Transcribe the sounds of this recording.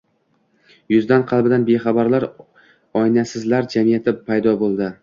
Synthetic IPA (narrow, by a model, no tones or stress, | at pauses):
jʊzd̪anqʰɑlˠbɪd̪anbeχɑbaɾlaɾ | ɒjnasɪzlaɾd͡ʒamijat̪ʰɪpʰajd̪ɒbolˠd̪ɪ